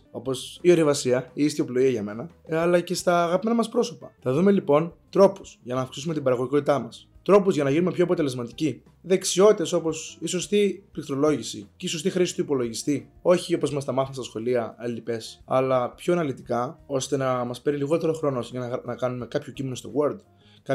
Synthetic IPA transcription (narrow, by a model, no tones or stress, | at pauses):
o̞po̞sio̞ɾivɐsiɐiist̪ioplo̞iɐʝɐme̞nɐ | ɐlɐce̞st̪ɐːɣɐpime̞nɐmɐspɾo̞so̞pɐθɐðume̞lipo̞nt̪ɾo̞pusʝɐnɐːfksisume̞t̪ibɐɾɐɣʝiko̞t̪it̪ɐmɐst̪ɾo̞puzʝɐnɐʝinumepçoɐpo̞t̪e̞le̞zmɐt̪i̥ci | ðe̞ksio̞t̪it̪e̞so̞po̞siso̞st̪ipikt̪ɾo̞lo̞ʝisiceiso̞st̪ixɾisi̥t̪uipo̞lo̞ʝist̪io̞çio̞po̞zmɐst̪ɐmɐθinɐstɐsxo̞liɐelipe̞sɐ̰lɐpço̞enɐlit̪ikɐo̞st̪e̞nɐmɐspe̞ɾiliɣo̞t̪e̞ɾoxɾo̞noosʝɐnnɐkɐnume̞kɐpço̞cimeno̞st̪o̞̰ɣwoɾld̪ | kɐ